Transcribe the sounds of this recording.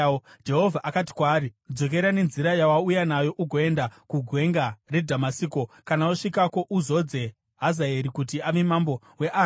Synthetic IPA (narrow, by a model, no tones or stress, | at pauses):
d͡ʒe̞ɦo̞vʱaʔakati̥kwaːɾid͡zo̞k̬e̞ɾane̞nziɾajawaujanajo̞ʔuɡʱo̞e̞ndakuɡʱwe̞ŋɡare̞dʱamasiːko̞kanauʂikako̞ʔuzo̞d͡ze̞ | ɦazaeɾikutiaʋemambo̞ | we̞ʔa